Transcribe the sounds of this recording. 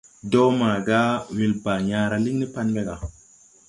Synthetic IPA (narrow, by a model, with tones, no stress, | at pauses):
do˦maː˨ɡa˦wi˨lbaː˨ɲaː˦ɾa˨li˦ŋni˦pa˦nbe˦ɡa˨